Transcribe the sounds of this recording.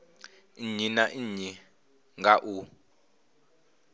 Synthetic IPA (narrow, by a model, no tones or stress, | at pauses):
iɲinaʔiɲi | ŋɡaʔu